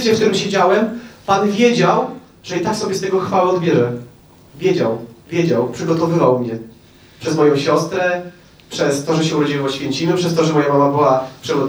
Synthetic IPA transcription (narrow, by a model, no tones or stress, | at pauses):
t͡ɕɛkt̪uɾɘmɕɛd͡ʑawɛmpanvʲjed͡ʑaw | ʐ̥ɛit̪akfsɔbʲjɛst̪ɛɡɔxfawɛɔd̪bʲjɛʐɛ | vʲjed͡ʑawvʲjed͡ʑawpʂɘɡɔt̪ɔvɘvawmɲɛ | pʂɛzmɔjɔ̃w̃ɕɔst̪ɾɛ | pʂɛst̪ɔʐɛɕ̬ɛɾɔd͡ʑɛjpɔɕfʲjɛɲt͡ɕimɘpʂɛst̪ɔʐɛmɔjamamabɘwapʂɨɡɔ